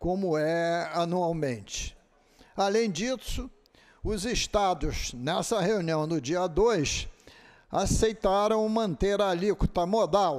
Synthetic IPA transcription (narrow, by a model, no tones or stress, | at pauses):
kõmʊɛanuawmẽnt͡ʃɪ̥ | alẽj̃d͡ʒisʊ | ʊzɪʃt̪ad̪ʊznɛsɐheuniɐ̃w̃d̪ʊd͡ʒiɐd̪ojs | asejt̪aɾɐ̃w̃mɐ̃nt̪eɾaliku̥t̪ɐmod̪aw